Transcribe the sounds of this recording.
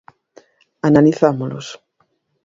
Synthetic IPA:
analiθamolo̰s

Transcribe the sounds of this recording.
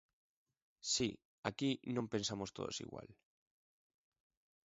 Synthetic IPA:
si | akinõmpe̞nsamost̪o̞̰ð̞osḭɣwa̰l

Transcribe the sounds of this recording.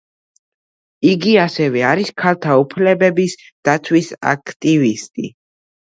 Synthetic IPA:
iɡiasɛvɛaɾiskʰalˠt̪ʰaupʰlɛbɛbis | d̪̥at̪sʰwisa̰kʰt̪ʼivist̪ʼḭ

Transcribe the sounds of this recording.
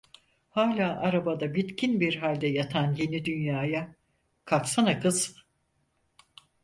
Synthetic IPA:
haːlʲaːʔaɾabad̪abit̪cʰinbiɾɦalʲd̪ɛjat̪ʰanje̞nid̪ynjaːja | kʰafsanakɯz

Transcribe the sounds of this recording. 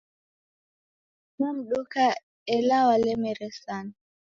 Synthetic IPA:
nɔm̩ɗuka | ɛlawalɛmɛɾɛsan

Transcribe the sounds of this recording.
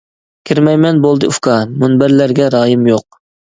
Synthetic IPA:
kʲʰiɾmɛjmɛnbolˠd̪ɨufkʰɑmunbæɾlæɾɡʲɛɾɑːjɨmjoq̚

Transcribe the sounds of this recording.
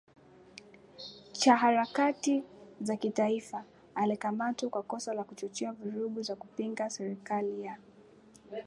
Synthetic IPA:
t͡ʃaɦaɾakatizakitaifaː | likamatikwakɔsalakut͡ʃɔt͡ʃɛavuɾuɠuzakupiŋɡasɛɾikalija

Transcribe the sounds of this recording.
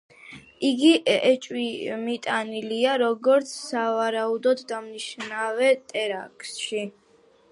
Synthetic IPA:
iɡiʔɛt͡ʃʼwimit̪ʼaniliaɾɔɡɔɾt̪sʰsavaɾaud̪ɔd̪ːamniʃnavɛt̪ʼɛɾa̰kʼsʃi

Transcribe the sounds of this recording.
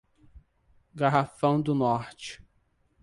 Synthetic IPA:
ɡaɦafɐ̃w̃d̪ʊnɔɾt͡ʃɪ̥

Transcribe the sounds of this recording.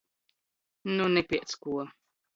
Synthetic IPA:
nunɛpʲiɛt̪skuɔ

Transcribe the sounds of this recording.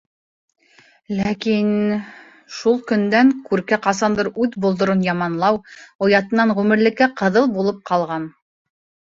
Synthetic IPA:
lækin | ʃulˠkɵ̆nd̪æŋkʉɾkæqɑs̬ɑnd̪ɤɾʉðbulˠd̪ŏɾonjɑmɑnlˠɑwŏjɑt̪ɤ̆nːɑɴʁʉmɘ̆ɾlɘ̆kːæqɤ̆ðɤlˠbulˠɤp̚qɑlˠʁɑn

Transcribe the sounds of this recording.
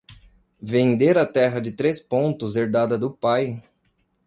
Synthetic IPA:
vẽnd̪eɾɐt̪ɛɦɐd͡ʒɪt̪ɾespõnt̪ʊzeɾd̪ad̪ɐd̪ʊpaj

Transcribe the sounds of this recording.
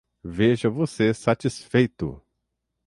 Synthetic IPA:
veʒɐvosesat͡ʃisfejt̪ʊ̰

